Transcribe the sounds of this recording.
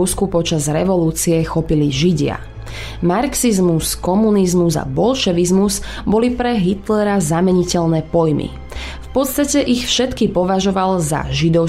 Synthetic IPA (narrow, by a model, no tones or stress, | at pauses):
uskupɔt͡ʃazɾɛʋɔluːt͡siɛxɔpiliʒiɟɪa̰ | maɾksizmuskɔmunizmuza̰bɔlʃɛʋizmuz | bɔlipɾɛɦit̪lɛɾazamɛɲicɛʎnɛːpɔjmḭ | fpɔt̪st̪acɛʔixfʃɛt̪kipɔʋaʒɔʋalza̰ʒid̪ɔʊ